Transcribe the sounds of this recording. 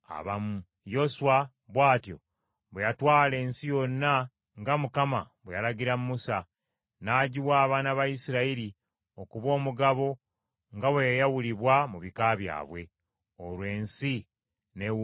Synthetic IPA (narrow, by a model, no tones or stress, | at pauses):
a̰βamu | jo̞swa | βwaːtjo̞̰ | βwejatwaːle̞ːnsijo̞nːa | ŋɡamukama̰ | βwejalaɟiɾammusa | naːɟiwaːβaːnaβajisiɾaiɾi | o̞kuβo̞ːmuɡaβo̞ | ŋɡaβwejjawuliβwamuβikaːβja̰ːβwe̞̰ | olwe̞ːnsi | ne